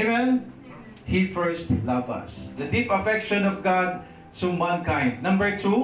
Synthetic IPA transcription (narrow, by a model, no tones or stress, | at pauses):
wɛl | hifɛɹst̪lɐvɐ̰sd̪ɐd̪ipɐfɛkʃɔ̃nɔvɡad̪̚ | sumãnkãjnd̪̚nɐ̃mbəɹt̪ʰu